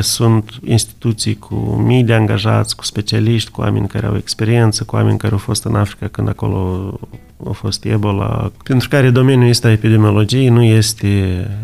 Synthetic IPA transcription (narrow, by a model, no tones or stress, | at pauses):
sunt̪ḭnst̪i̥t̪ut̪sijkʰṵmijd̪eaŋɡaʒa̰t̪sʲku̥spe̞t͡ʃialiʃt̪ʲkua̰menʲka̰ɾea̰wekspe̞ɾie̞nt̪səkua̰menʲkaɾeawfo̞st̪ɨnafɾi̥kakɨnd̪ako̞̰lo̰ | a̰wfo̞st̪ḛbo̞la̰pent̪ɾukaɾed̪o̞menjujest̪aepid̪emio̞lo̞d͡ʒijnuje̞st̪e